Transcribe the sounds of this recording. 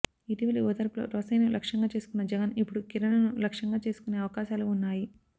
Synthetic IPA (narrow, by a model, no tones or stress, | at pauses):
iʈiʋɐlioːt̪ɐɾɐplo̰ːɾɔːsɐjnulʔɐkʂɐŋɡaːt͡ʃe̞ːsu̥kunːɐd͡ʒɛɡɐnipːuɽukiɾɐnɐnulɐkʂɐŋɡaːt͡ʃe̞ːsu̥kune̞ːɐʋɐkaːʃaːluːnːaːji